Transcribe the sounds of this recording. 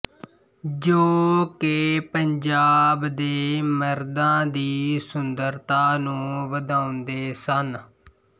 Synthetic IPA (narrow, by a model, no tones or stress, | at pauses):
d͡ʒoːkepəɲd͡ʒaːbd̪eːməɾd̪ãːd̪iːsʊnd̪əɾt̪aːnũːʋəd̪ãːʊnd̪eːsən